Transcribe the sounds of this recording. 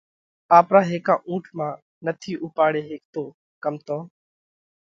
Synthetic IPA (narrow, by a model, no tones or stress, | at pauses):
aːpɾaːɦeːkãːʔũːʈʰmãː | nət̪ʰiːʔʊpaːɽeːɦeːk̚t̪oː | kəmt̪õː